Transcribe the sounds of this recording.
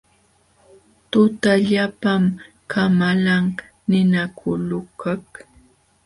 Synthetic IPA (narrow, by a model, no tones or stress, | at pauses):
t̪ʊt̪aʎapam | kʰamalaŋ | nɪnakʰʊlʊkak